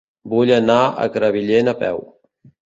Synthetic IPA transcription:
buʎənaə̰kɾəβiʎenəpɛ̰w

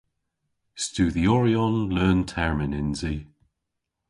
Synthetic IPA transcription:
stuːðiɔɹiɔnlɜːntʰɛɹmɪnɪnzi

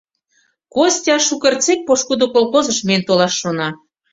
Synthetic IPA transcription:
kostʲɑʃukərt͡sek̚poʃkud̪okolxozə̆ʃment̪olɑʃːonɑ

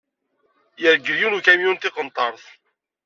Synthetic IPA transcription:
jəɾɡəɾjunukæmjunt̪ɪqənt̪ˤɑɾˤθ

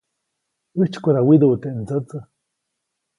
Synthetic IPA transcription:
ɨt͡ʃkʷaɾawid̪ut̪ent͡sət͡sɨ

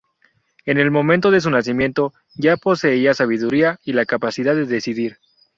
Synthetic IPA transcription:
e̞ne̞lmo̞mẽnt̪o̞ðe̞s̬unas̬imje̞nt̪o̞ | ʝapo̞se̞iasaβ̞iðuɾiailakapasiðaðe̞ðe̞siðiɾ

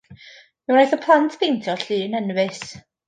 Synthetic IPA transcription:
mɛwnɾajθɔpʰlˠantʰpʰejntʰɔɬiːənənvɨs

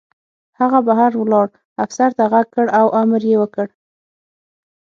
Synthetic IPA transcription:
haɣabaɦaɾwlɑɽ | afsaɾt̪aɣaɡ̚kəɽawʔaməɾjewəkəɽ

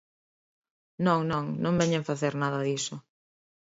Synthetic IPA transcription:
nõŋnɔ̃ŋnõŋbɛɲeŋfaθeɾnaðɐðisʊ

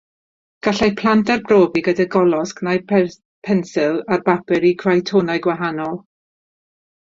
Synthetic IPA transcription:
ɡ̥aɬajpʰlˠantarbroːbiɡədaɡɔlˠɔsknajpʰɛ | pʰɛnsɪlˠarbabɪɾiɡʰrajtʰonaɨɡwaɦanɔlˠ

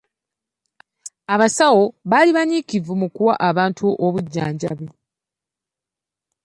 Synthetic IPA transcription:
aβasawo̞βaliβaɲikivumukuwaʔaβaːntʰuʔoβuɟːa̰ːɲɟa̰βwe

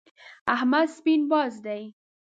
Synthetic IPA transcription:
ahmad̪spinbɑzd̪aj

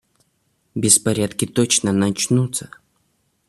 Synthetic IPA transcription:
bʲɪspɐɾʲat̪kʲɪt̪ot͡ɕnənɐt͡ɕnut̪sə

